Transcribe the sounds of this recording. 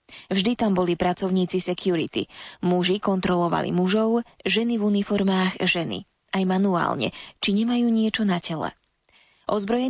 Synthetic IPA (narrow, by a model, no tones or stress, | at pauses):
vʒd̪it̪ambɔlipɾat͡sɔʊɲiːt͡sisɛkɪuɾit̪ḭmuʒikɔnt̪ɾɔlɔʋa̰lḭmuʒɔʊʒɛnivunifɔɾmaːɣʒɛnḭ | ajmanua̰ːlɲɛ̰t͡ʃiɲɛmajuːɲɪɛt͡ʃɔnacɛlɛ̰ | ʔɔzbɾɔjɛ